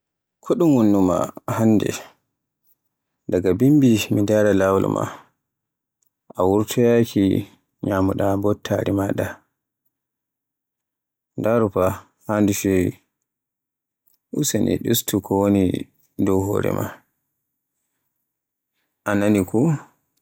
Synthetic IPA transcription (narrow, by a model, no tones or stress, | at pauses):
kʰoɗumwunːuma̰hanːdɛ̰ | daɡabimbimidaɾalawl̰mʔa̰ | ʔawuɾtʰɔjakʰi | ɲamuɗabɔtʰːaɾimaɗa | ndaɾupa | handufɛ | ʔusanʔḭɗustukʰɔwoni | dɔwɦɔːɾɛ̰ma̰ | ʔananiku